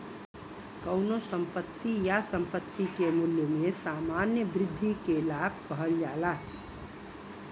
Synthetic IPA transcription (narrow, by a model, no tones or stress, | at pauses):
kəʊnosəmpət̪ːijasəmpət̪ːikemuljəmẽsamanjəbɾɪd̪ʱːikelab̚ʱkəɦəld͡ʒala